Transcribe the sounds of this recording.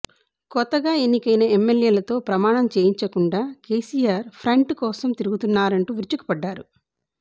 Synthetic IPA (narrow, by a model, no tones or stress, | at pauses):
kɔt̪ːɐɡaːenːikɐjnɐemːeljeːlɐt̪o̞ːpɾɐmaːɳɐmt͡ʃeːjiɲt͡ʃɐkuɳɖaːke̞ːsiːjaːɾpʰɾɐɳʈkɔːsɐmt̪iɾuɡut̪unːaːɾɐɳʈuːʋiɾt͡ʃuku̥pɐɖːaːɾu